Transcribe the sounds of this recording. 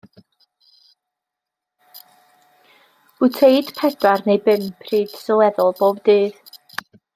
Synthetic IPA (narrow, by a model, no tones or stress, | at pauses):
ʊtʰejd̥pʰɛdarnejbɪmpʰriːd̥sɔlˠɛðɔlˠboːb̚dɨːð